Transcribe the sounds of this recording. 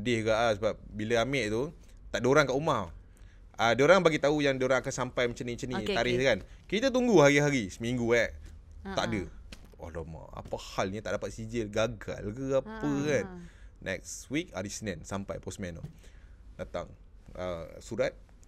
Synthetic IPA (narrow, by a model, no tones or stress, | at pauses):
ədɪhɡaʔsəbap̚biləamɛʔt̪u | t̪aʔdoɾaŋkaʔumah | ʔadoɾaŋbaɡit̪aujaŋdioɾaŋakansampajmət͡ʃanit͡ʃənit̪aɾɪhkankit̪ət̪uŋɡuhaɾiɦaɾisəmiŋɡuɛʔ | t̪a̰ʔdə | ɔ̰lɔma̰wa̰pahalɲat̪aʔdapat̪̚sid͡ʒəlɡaɡa̰lɡəapəkannʔɛ̰k̚swik̚aɾisnɛ̃nsampa̰jpɔsmɛno̰ | dat̪a̰ŋ | əsuɾat̪̚